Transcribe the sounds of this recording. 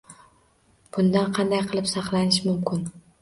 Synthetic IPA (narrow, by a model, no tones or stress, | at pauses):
b̥ʊnd̪anqʰɑnd̪ajqʰɨlˠɪpsɑqlˠanɪʃmʊmkʰʲɪn